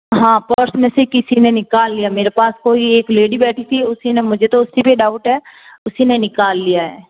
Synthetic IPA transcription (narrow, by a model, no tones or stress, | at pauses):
ɦãːpəɾsnəsekɪsinenɪkaːlːɪjaːmeːɾepaːskoːieːkleːɖibɛːʈʰit̪ʰiʊsinemʊd͡ʒʱet̪oʊsibiɖaːʊʈɦɛːʊsinenɪkaːlːijaɦɛ̰ː